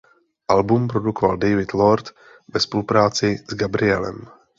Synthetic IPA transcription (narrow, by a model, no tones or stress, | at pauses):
ʔalbumpɾo̞dukovaldɛjvɪt̪loɾt̪ | vɛspolupɾaːt͡sɪz̥ɡabɾɪɛlɛ̰m